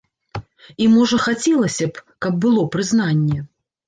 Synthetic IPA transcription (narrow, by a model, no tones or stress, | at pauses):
imɔʐɐxat͡sʲɛlˠɐsʲɐpkɐb̚ːɨlˠɔpɾɨzn̪anʲːɛ